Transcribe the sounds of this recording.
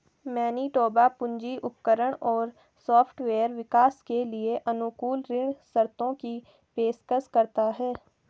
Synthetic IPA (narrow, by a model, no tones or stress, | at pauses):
mɛːniʈɔːbapʊ̃ɲd͡ʒiʔʊpkəɾəɽ̃ɔːɾ | sɔːpʰʈʋeːəɾʋɪkaːskelieʔənʊkuːlɾɪɳsəɾt̪õki | peːskəskəɾt̪aɦɛː